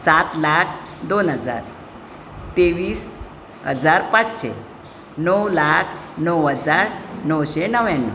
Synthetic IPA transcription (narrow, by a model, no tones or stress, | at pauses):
sat̪lakʰd̪onɦəd͡za̰ɾ | t̪eʋiːs | ɦə̰d͡zaɾpat͡sɕḛ | nəwlakʰnəwɦəd͡zaɾnəwɕenəʋjanːə̰